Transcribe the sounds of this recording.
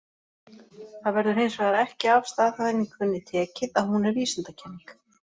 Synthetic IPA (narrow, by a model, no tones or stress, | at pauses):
θaðvɛɾðʏɾhejnsvɛðaɾɛhcɪaːvst̪aːðaðɪnːikʰvʏnːɪt̪ʰɛːcɪðaðhunɛɾviːsʏnt̪acʰɛnːiŋk